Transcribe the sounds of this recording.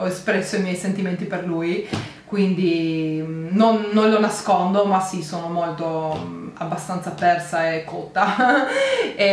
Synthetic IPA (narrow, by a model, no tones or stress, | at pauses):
espɾɛsːoimjɛjsent̪iment̪̬iperluj | kwind̪i | nonːonlonaskond̪omasisoːnomolt̪oabːast̪ant̪sapɛrsaekːot̪ːa | e